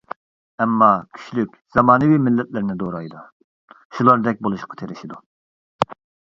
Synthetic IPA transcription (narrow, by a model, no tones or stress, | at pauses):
ɛmːɑkʲʰy̥ʃlykʲz̥ɑmɑːnɨwiːmɪlːɛt̪lɪɾnɪd̪oɾɑjd̪u | ʃulˠɑɾd̪ɛk̚ʲbolˠuʃqʰɑ̥t̪ʰeɾɪʃid̪u